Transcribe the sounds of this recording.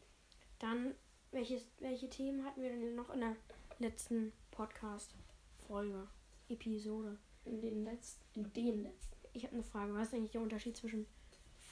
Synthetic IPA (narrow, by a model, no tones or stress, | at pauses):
d̥an | vɛlçəsvɛlçətʰeːmənhatn̩viːɐɾɛnnːɔχɪ̰ndeːɐlɛt͡stn̩pʰɔtkʰaːstfɔlɡəʔepʰizoːɾə | ɪndeːnlɛt͡st | ɪndeːnlɛt͡stn̩ʔɪçhaːbənəfʁ̥aːɡəvaːɪstaɪɡŋtlɪçd̥eɐʔʊntɐʃiːt̚t͡sv̥ɪʃn̩